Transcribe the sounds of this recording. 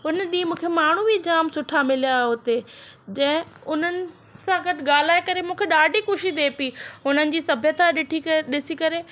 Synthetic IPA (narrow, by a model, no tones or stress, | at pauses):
ɦʊnəɗĩːmũːkʰemaːɳ̤ubʱid͡ʑaːmsʊʈʰamɪlijaɦʊt̪ed͡ʑɐ̃ɦɪ̃ʊn̤ənɪ̆ | sãɡɐʈɪɠaːl̤aːekɐɾemũːkʰeɗaːɖʱixʊʃid̪eːpiːʊn̤ənɪ̆d͡ʑiːsɐbʱjət̪ʰaɗɪʈʰiɗɪsikɐɾe